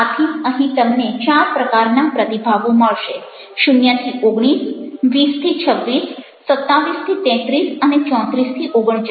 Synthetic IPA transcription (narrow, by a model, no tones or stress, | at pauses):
at̪ʰiəɦĩt̪əmnet͡ʃaɾpɾəkaɾnapɾət̪ibʱaʋõməɭʃe | ʃunjat̪ʰioɡɽ̃isʋist̪ʰit͡ʃʰəʋːisː | ət̪ːaʋist̪ʰit̪ɛ̃t̪ɾisənet͡ʃɔ̃t̪ɾist̪ʰiʔoɡəɽ̃t͡ʃ